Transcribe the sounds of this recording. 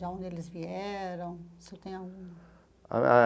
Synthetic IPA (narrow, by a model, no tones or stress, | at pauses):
aõnd̪ɪelɪzviɛɾɐ̃w̃set̪ẽj̃aɡṵ̃ | a